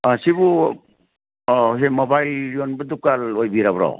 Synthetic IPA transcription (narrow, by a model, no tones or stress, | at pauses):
asibu | ɦemɔbajlɾiɔnbɯdukalojbiɾabɾɔ̰